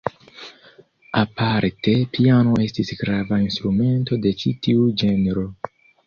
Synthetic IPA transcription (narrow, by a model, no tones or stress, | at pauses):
apaɾte̞piano̞ʔe̞stisɡɾavainst̪ɾume̞nto̞de̞t͡ʃitiud͡ʒe̞nɾo̞